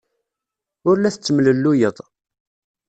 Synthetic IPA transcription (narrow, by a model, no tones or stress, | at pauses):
ʊɾlæθət͡sːəmləlːujət̪ˤ